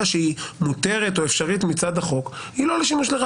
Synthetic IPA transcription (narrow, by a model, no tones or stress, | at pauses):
aʃeimut̪e̞ʁet̪o̞efʃaʁit̪mit͡sad̪aχo̞khilo̞leʃimuʃleʁ